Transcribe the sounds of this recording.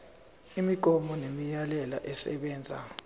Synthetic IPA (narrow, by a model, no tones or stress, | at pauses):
imiɡ̥ʱɔmɔnemijalɛla̰ʔɛsɛ̰ɓɛːnd͡zʱa̰